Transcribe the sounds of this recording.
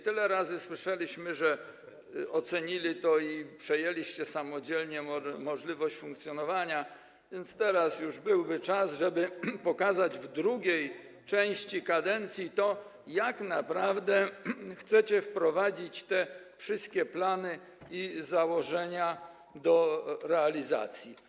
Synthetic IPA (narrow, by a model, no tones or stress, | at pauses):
t̪ɘlɛɾazɘswɘʂɛlʲiɕmɘʐɛ | ɔt̪sɛɲilʲit̪ɔipʂɛjelʲiɕt͡ɕɛsamɔd͡ʑɛlɲɛmɔʐlʲivɔɕt͡ɕfũŋk̚t̪sʲjɔnɔvaɲa | vʲjɛnt̪st̪ɛɾasjuʐbɘwbɘt͡ʂasʐɛbɘpɔkazad͡ʑvd̪ɾuɡʲɛj | t͡ʂɛ̃w̃ɕt͡ɕikad̪ɛnt̪sʲjit̪ɔ | jaknapɾavd̪ɛxt̪sɛt͡ɕɛfpɾɔvad͡ʑit͡ɕt̪ɛ | fʂɘst̪̚kʲɛplanɘ | izawɔʐɛɲa | d̪ɔɾɛalʲiza̰t̪sʲji